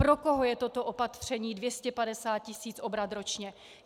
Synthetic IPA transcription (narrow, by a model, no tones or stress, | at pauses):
pɾo̞ko̞ɦo̞jɛt̪o̞t̪o̞ʔopat̪r̝̥ɛɲiːdvjɛscɛpadɛsaːt̪̚cɪsiːt͡sʔo̞bɾat̪ɾo̞t͡ʃɲɛ